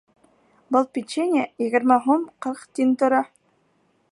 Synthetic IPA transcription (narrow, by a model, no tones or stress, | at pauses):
bɤlˠpʲit͡ɕenʲɪejɘ̆ɡɘ̆ɾmæɦumqɤɾqt̪ʲint̪ŏɾɑ